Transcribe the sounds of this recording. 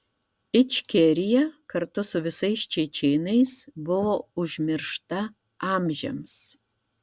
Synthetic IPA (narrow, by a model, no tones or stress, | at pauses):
ɪt͡ʃʲkʲɛɾʲɪjɛkɐɾt̪ʊsʊʋʲɪsɐɪst͡ʃʲɛt͡ʃʲɛɪnɐɪsbʊʋoːʊʒʲmʲɪɾʃt̪ɐ | ɑːmʲʒʲɛ̰ms